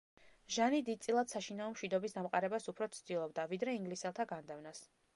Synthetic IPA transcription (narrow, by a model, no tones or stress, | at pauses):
ʒanid̪id̪̚t̪sʼilˠad̪saʃinaɔmʃwid̪ɔbisd̪amqʼaɾɛbasupʰɾɔt̪sʰd̪ilˠɔbd̪avid̪ɾɛiŋɡlisɛlˠt̪ʰaɡand̪ɛvnas